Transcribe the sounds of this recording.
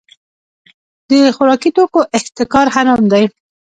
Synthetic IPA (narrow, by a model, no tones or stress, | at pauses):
d̪əxʊɾɑkit̪okoʔɪht̪ɪkɑɾhaɾamd̪aj